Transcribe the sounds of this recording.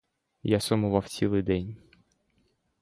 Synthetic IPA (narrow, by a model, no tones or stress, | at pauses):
jasɔmʊʋɑw̥t͡sʲilˠɪjd̪ɛnʲ